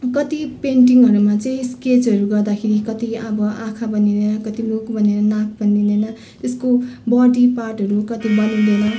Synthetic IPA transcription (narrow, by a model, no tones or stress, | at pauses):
kʌt̪ipeɳʈiŋʌɾumat͡sʌĩsket͡sʌɾuɡʌrd̪akʰeɾikʌt̪iʌbʌʔãkʰabʌnid̪enʌkʌt̪ilokbʱʌneɾʌnak̚bʌnd̪ind̪ʌnʌ | t̪eskobʌɖiparʈɦʌɾukʌt̪ibʌnũd̪enʌ